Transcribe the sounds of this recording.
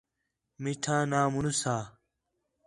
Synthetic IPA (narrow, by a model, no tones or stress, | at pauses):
miʈʰãːnaːmunusaː